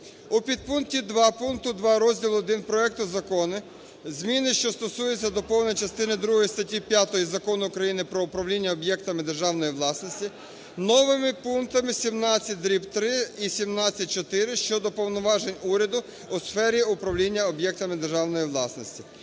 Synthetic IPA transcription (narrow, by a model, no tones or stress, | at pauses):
upʲid̪̚punktʲid̪ʋɑpunkt̪ʊd̪ʋɑɾɔzʲdʲilˠɔd̪ɪnpɾɔɛk̚t̪ʊzɐkɔnɪ | zmʲinɪʃt͡ʃɔst̪ɔsujet͡sʲːɐd̪ɔpɔwnɔjt͡ʃɐst̪ɪnɪd̪ɾuɦɔjist̪ɐtʲipʲjat̪ɔjizɐkɔnʊːkɾɐjinɪpɾɔʊpɾɐwlʲinʲːɐɔbjɛkt̪ɐmɪd̪erʒɑwnɔjiʋlˠɑsnɔsʲtʲi | nɔʋɪmɪpunkt̪ɐmɪsʲimnɑt͡sʲːɐt̚ʲd̪ɾʲipt̪ɾɪisʲimnɑt͡sʲːɐt̚ʲt͡ʃɔt̪ɪɾɪʃt͡ʃɔd̪ɔpɔwnɔʋɑʒenʲuɾʲɐd̪ʊː | sfɛɾʲiʊpɾɐʋlʲinʲːɐɔbjɛk̚t̪ɐmɪd̪erʒɑwnɔjiʋlˠɑsnɔsʲtʲi